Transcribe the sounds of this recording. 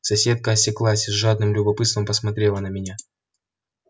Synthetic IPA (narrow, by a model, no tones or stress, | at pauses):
sɐsʲe̞t̪̚kəːsʲɪklˠasʲzʐad̪nɨmlʲʊbɐpɨt̪st̪vəmpəsmɐt̪ɾʲe̞lˠənəmʲɪnʲa